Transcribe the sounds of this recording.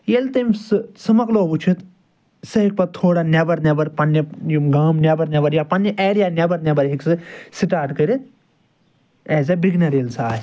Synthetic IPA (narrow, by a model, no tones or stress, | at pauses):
jelt̪ɐmsɨsɐmɐkloːbut͡ʃʰit̪ | sɐɦik̚pɐt̪ʰoːɽanʲɐbɐɾnɐbɐɾpɐnːɐjiɡaːmnʲɐbɐɾnʲɐbɐɾjapɐnːɐʔeːɾijaːnʲɐbɐɾnʲɐbɐɾɦiksɨsiʈaːɾʈkɐɾit̪ | eːzɐbiɡnɐɾelsaː